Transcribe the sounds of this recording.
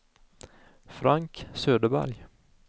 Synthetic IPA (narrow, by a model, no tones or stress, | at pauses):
fɾaŋksøːd̪əbæ̰ɾj